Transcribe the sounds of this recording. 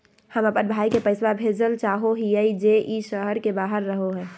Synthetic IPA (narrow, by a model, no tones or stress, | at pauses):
həməpənbʱaikepəɪswabʱed͡ʒəlt͡ʃaːɦoɦiəid͡ʒeʔiʃəɦəɾkebaɦəɾːəɦoɦɛː